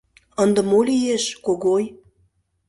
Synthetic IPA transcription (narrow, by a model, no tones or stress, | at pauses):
ənd̪ɤ̆molʲijeʃkoɣoj